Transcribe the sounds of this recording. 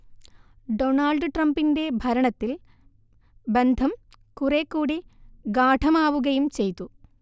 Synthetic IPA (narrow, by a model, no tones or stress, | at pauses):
ɖoːnaːlɖɨʈrɐmbinde̞bʱɐɾɐɳɐt̪ːil | bend̪ʱɐm | kurekːuːɽiɡaːʈʰɐmaːʋuɣɐjumt͡ɕejt̪ːu